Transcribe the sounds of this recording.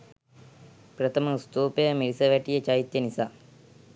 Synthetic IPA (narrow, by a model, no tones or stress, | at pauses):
pɾɐt̪ʰɐməst̪uːpejmilisɐʋɛʈijət͡ʃajit̪jɐnisaː